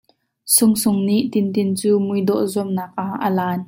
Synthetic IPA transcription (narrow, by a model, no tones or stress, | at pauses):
sʊŋsʊŋniʔt̪ɪnt̪ɪnt͡suːmʊjd̪ɔʔzuəmnaːk̚ʔaʔəlaːn